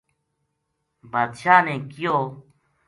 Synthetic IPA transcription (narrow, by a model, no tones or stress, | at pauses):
bad̪ɕaːnẽkijo